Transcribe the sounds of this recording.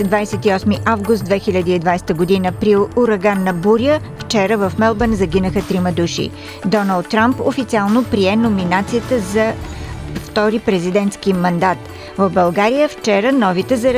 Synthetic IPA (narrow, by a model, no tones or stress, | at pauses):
d̪vajsɛt̪iɔsmiʔavɡust̪d̪vɛxiʎʲəd̪iid̪vajsɛ̥t̪əɡod̪inəpɾiuɾɐɡanːɐbuɾjə | ft͡ʃɛɾəvəfmɛlˠbənzɐɡʲinəxət̪ɾiməd̪uʃḭ | d̪ɔnəlˠt̪ːɾampo̰fit̪sialˠnopɾiɛnominat̪sijət̪əzɐ | ft̪ɔɾipɾɛzid̪ɛnt̪skimɐnd̪at̪ | vəvbɐlˠɡaɾijəft͡ʃɛɾənɔvit̪ɛzɐɾ